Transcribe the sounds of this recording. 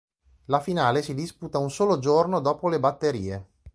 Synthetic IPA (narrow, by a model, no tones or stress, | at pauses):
lafinaːlesid̪isput̪aunsoːlod͡ʒornod̪ɔːpolebat̪ːeɾiːe